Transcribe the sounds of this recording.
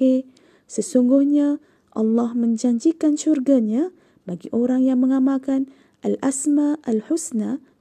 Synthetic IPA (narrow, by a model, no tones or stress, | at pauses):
e | səsuŋɡʊhɲa | ʔɑlːɑhmə̃ɲd͡ʒaɲd͡ʒikanʃurɡaɲa | baɡiʔoɾaŋjaŋməŋamalkan | alʔasmaʔalhusna